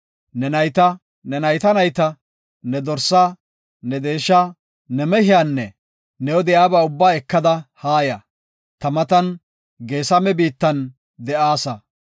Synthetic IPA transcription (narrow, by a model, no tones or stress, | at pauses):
nɛnɐjt̪ɐ | nɛnɐjt̪ɐnɐjt̪ɐ | nɛd̪ɔɾsːa | nɛd̪e̞ːʃːaː | nɛmɛhɪjaːnːɛ | nɛwɔd̪ɛjaːbɐʊbːaːɛkːɐd̪ɐhaːjɐ | t̪ɐmɐt̪ɐn | ɡe̞ːsɐmɛbiːt̪ːɐn | d̪ɛʔaːsɐ